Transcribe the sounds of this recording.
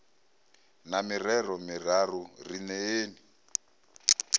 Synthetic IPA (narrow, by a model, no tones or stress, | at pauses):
namirɛrɔmir̤arurinɛeːni